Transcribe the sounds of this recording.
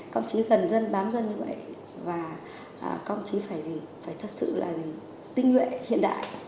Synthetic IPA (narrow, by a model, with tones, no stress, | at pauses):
kə˧wŋ͡mt͡ɕi˨˦ɣə˨˩nzə˧nɓaː˨˦mɣə˧nɲɨ˧və̰˧˨jʔ | vaː˨˩ | ə˨˩kə˧wŋ͡mt͡ɕi˨˦faː˧˩jzi˨˩faː˧˩jt̪ʰə˨˩t̚sɨ̰˧˨la̰ː˨˩zi˨˩ | t̪ï˧ŋ̟hwḛ˧˨hḭ˧˨ənɗa̰ː˧˨jʔ